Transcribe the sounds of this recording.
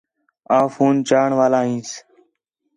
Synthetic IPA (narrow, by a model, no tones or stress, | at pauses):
aːfuːnt͡ʃaːɳʋaːlaːɦĩːs